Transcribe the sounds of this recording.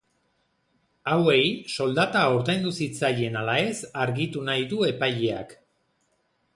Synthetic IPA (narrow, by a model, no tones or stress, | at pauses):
awe̞jso̞ld̪at̪aoɾðe̞nd̪usit͡saje̞nalae̞saɾɣit̪unajðue̞pajea̰k